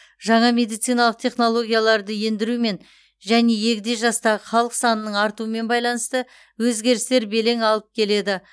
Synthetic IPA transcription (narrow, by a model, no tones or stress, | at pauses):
ʒɑɴɑmʲe̞d̪ijt̪sijnɑlˠəq̚t̪ʲʰe̞χno̞lˠo̞ɡʲijalˠɑɾd̪əje̞nd̪ɪɾume̞n | ʒæne̞je̞kʲɪd̪e̞ʒɑst̪ɑʁəχɑlˠəqsɑnənəɴɑɾt̪uəme̞nbɑjlˠɑnəst̪ə | wɵzɡʲe̞ɾɪst̪e̞ɾbe̞le̞ŋɑlˠəp̚kʲʰe̞le̞d̪ɪ